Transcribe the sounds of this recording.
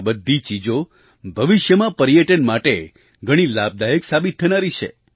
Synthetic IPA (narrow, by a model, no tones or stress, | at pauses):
bəd̪ʱːit͡ʃid͡ʒo | bʱəʋɪʃjəmãpəɾjəʈənmaʈe | ɡʱəɽ̃ilab̚d̪ajəksabit̪ʰːənaɾit͡ʃʰḛ